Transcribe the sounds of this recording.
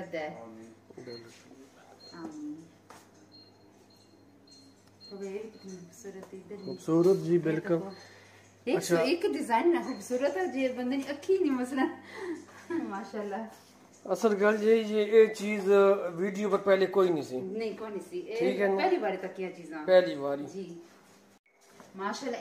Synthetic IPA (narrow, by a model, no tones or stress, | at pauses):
əd̪aɛ | bl | am | toːbebsuːɾət̪ːd̪əɾʊbsuːɾət̪d͡ʒiːbɪlkəl | ɪt͡ʃʰaɪkɖɪzaːɪnːaːxʊbsuːɾət̪ad͡ʒeːbənd̪eːnĩəkʰːiːnĩːməslən | maːʃaːlːaː | əsəɾɡəld͡ʒeːiːd͡ʒeeːt͡ʃiːzʋiːɖijoːpəɾpɛːleːkoːiːnĩːsḭːnəĩːkoːnĩːsiːeʈːʰiːkɦɛːnpɛːliːbaːɾeːt̪əkːɪjãːt͡ʃiːzãːpɛːliːbaːɾiːd͡ʒiː | maːʃaːlːaː